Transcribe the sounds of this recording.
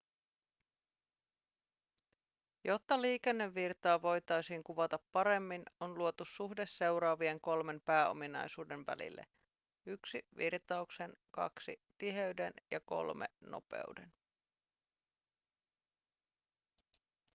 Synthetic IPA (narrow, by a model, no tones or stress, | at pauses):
jo̞t̪ːɑliːkenːe̞ʋːirt̪ɑːʋo̞jt̪ɑjsiːŋkuʋɑt̪ɑpːɑɾe̞mːino̞nluot̪usuhdesːe̞wɾɑːʋie̞ŋko̞lme̞mpæːo̞̰minɑ̰jsuːde̞nʋæ̰lḭlːḛ | yksiʋirt̪ɑukse̞nkɑ̰ksḭt̪iɦe̞yɥdenjɑko̞̰lme̞̰no̞̰pḛuden